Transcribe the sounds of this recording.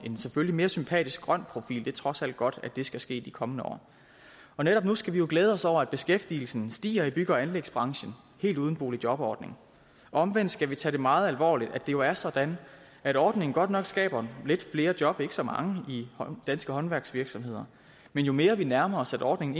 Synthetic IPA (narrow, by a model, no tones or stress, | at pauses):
e̝nseføllime̝ːɐsympʰɛ̰ːd̥isɡ̥̚ɡ̥ʁɶn̰pʰʁo̝fḭːld̥e̝t͡sʰʁɒ̽sæl̰d̥̚ɡ̥ɒ̽d̥æd̥e̝sɡ̥æsɡ̥e̝̰ːd̥ikʰɒ̽mənəɒ̰ː | ɒ̽neɾ̥ɒ̽b̥̚nusɡ̥æʋijo̝ɡ̥leːð̞̩ˠɒ̽sɒʊ̰ɐæd̥̚b̥e̝sɡ̥efd̥il̩sn̩sd̥ḭːɐib̥yɡ̥ɐænleɡ̥sb̥ʁɑ̈ŋɕən̩ | he̝̰ːlduðˠn̩b̥o̝̰ːlid̥jɒ̽b̥ɒ̰ːd̥ne̝ŋ | ʔɒ̽mʋen̰d̥sɡ̥æʋit͡sʰɛɾ̥e̝mɑ̈ːð̞̩ˠælʋɒ̰ːlid̥æd̥e̝jo̝æɐsɒ̽d̥æn | æɾ̥ɒːd̥ne̝ŋn̩ɡ̥ɒ̽d̥nɒ̽ɡ̥sɡ̥ɛ̰ːb̥ɐle̝d̥fle̝ːɐ̥jɒ̽b̥e̝ɡ̥əsɒ̽mɑ̈ŋəid̥ænsɡ̥əɦɒ̽nʋæɐɡ̥sʋiɐɡ̥sɒ̽mɦe̝ð̞̰ˠɐ | menjo̝me̝ːɐʋinæɐmɐsædɒːd̥ne̝ŋn̩